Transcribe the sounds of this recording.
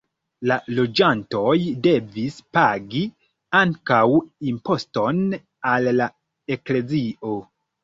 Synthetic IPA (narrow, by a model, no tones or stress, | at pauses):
lalo̞d͡ʒanto̞jde̞vispaɡi | aŋkawimpo̞sto̞n | alːa | e̞kle̞ziʔo̞